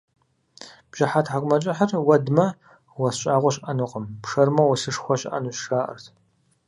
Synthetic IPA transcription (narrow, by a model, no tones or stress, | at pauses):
b̥ʒ̥ɪħatʰħakʷʼmɐt͡ʃʼɐħarwɐdmɐ | wɐsɕʼaːʁʷɔɕʼʔɐnuqəmpʂɐrmɐwɔsɨʂxʷɔɕʼʔɐ̰nuʃʂaːʔɐ̰rtʰ